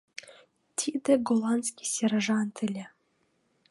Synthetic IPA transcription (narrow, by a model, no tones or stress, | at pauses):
t̪ʲʰid̪ɘɡolˠɑnt̪skʲi̥sʲeɾʐɑnt̪ʰɘlʲe